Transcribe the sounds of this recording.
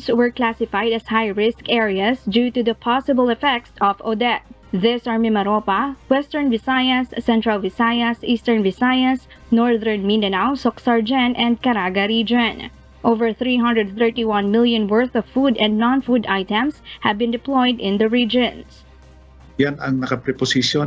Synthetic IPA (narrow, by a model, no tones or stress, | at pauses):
swɛɹklasɪfajd̪ɐshajɹɪskɛɹiasdut̪uðɐpʰasɪbəlˠɛfɛk̚sɔvod̪ɛt̪̚ðɪsaɹmɪmɐɾopawɛst̪ɛɹnvɪsajɐsːɛ̃nt̪ɹalvɪsajasʔiːst̪ɛɹnvɪsajas | nɔɹðəɹnmindɐnawsɔksaɹd͡ʒɛnɛ̃nd̪̚kɐɾaɡaɾid͡ʒɔ̃n | ʔovɛɹθɾiːɦʌ̃nd̪ɹɛd̪̚θɛ˞tiwʌ̃nmɪlˠjɔ̃nwɜɹθɔv̥fud̪ɛ̃nd̪̚nɔ̃nfud̪ajt̪ɛ̃mshævbɪ̃nd̪ɪplɔjd̪ɪ̃nd̪ɐɹid͡ʒɔ̃ns | janɐŋnɐkapɾɛposisjo